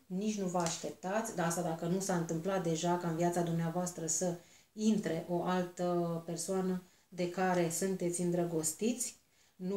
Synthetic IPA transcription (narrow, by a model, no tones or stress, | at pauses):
nit͡ʃʲnuvəaʃt̪e̞p̚t̪at̪sʲd̪aast̪ad̪akənusaɨnt̪ɨmplat̪̚d̪e̞ʒakaɨnviat̪sad̪umneavoast̪ɾəsəint̪ɾe̞ʔo̞ʔalt̪əpe̞rsoanə | d̪e̞kaɾe̞sunt̪e̞t̪sʲɨnd̪ɾəɡo̞st̪it̪sʲ | nu